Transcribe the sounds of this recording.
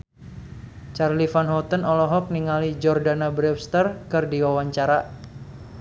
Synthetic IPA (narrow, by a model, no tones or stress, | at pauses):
t͡ʃarlifanɦɔt̪ənɔlɔɦɔk̚niŋalid͡ʒɔrdanabɾɛpst̪ərkɨrdiwawaɲt͡ʃaɾa